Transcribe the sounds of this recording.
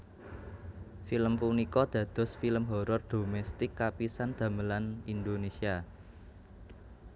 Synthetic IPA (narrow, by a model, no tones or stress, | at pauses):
filəmpunikɔd̪̥ä̤d̪̥ɔ̤sfiləmɦɔɾɔrd̪̥omɛst̪ɪkːapisand̪̥ä̤məlanind̪onesia